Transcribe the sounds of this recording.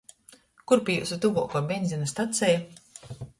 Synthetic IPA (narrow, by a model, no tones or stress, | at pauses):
kuɾpʲijṵsut̪uvṵɔkɔːbʲɛnʲzʲinast̪at̪sʲɛj